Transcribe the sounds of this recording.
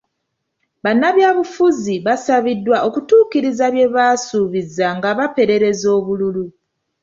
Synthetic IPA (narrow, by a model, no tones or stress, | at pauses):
βanːaβjaːβufuziβasaβidːwaʔo̞kutuːkiɾizaβje̞βasuːβizaŋɡaβape̞ɾe̞ɾe̞zo̞ːβululu